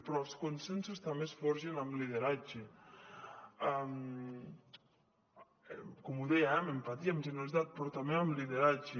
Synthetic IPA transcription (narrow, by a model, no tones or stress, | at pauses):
pɾɔlˠskonsensust̪ambesfɔɾʒenamliðeɾad͡ʒe | am | komuðɛjaɛmempat̪iamʒeneɾalizzat̪̚pɾɔt̪ameamliðeɾad͡ʒe